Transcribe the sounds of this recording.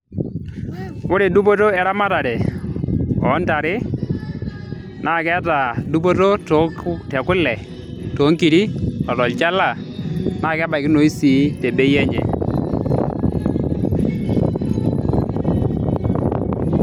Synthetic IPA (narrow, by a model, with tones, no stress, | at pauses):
ʊ˦ɾe˨du˦po˦to˦ɛ˨ɾa˦ma˦ta˨dɛ˨ | ɔ˨˦nta˨ɾɪ˦ | nʔa˦˨kɛ˦ta˨du˦p̬o˦to˦to˨˦ktɛ˨kʊ˦lɛ˨ | to˨˦ŋki˨ɾi˦ɔ˨tɔ˨lt͡ʃa˦la˨ | na˦˨kɛ˦ba˨kɪ˦no˨i˦si˨˦te˨be˦jɛ˦ɲɛ̰˨